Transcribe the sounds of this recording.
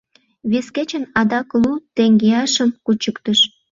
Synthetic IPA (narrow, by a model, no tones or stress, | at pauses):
βesket͡ɕənɑd̪ɑklut̪eŋɡeɑʃəmkut͡ɕəkt̪əʃ